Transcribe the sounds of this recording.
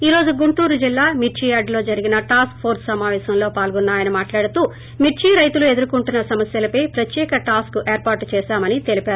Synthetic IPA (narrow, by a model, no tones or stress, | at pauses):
iːɾo̞ːd͡ʒuɡuɳʈuːɾud͡ʒilːaːmiʈt͡ʃiaːɖlo̞ːd͡ʒɐɾiɡinɐʈaːskpʰo̞ːɾssɐmaːʋɛːsɐmlo̞ːpaːlɡɔnːaːjɐnɐmaːʈlaːɽut̪uː | miʈt͡ʃiːɾɐjt̪ulue̞d̪uɾukuɳʈunːɐsɐmɐsjɐlɐpɐjpɾɐt̪jɛːkɐʈaːskuʔe̞ːɾpaːɾʈt͡ʃɛːʃaːmɐnit̪e̞lipaːɾu